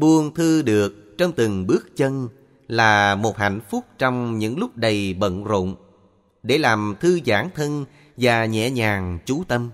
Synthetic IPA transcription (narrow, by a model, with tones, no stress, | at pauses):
ɓu˧əŋt̪ʰɨ˧ɗɨ˨˩ək̚t͡ɕɔ˧wŋ͡mt̪ɨ˨˩ŋɓɨ˦˥ək̚t͡ɕə˧n | laː˨˩mo˨˩t̚ha̰˧˨jŋ̟fʊ˦˥k͡p̚t͡ɕɔ˧wŋ͡mɲɨ̰˧˥ŋlʊ˦˥k͡p̚ɗə˨˩jɓə̰˧˨nzo̰˧˨ŋ͡m | ɗe˧˩laː˨˩mt̪ʰɨ˧zaː˧˩ŋt̪ʰə˧n | vaː˨˩ɲɛ̰˧˨ɲaː˨˩ŋt͡ɕu˨˦t̪ə˧m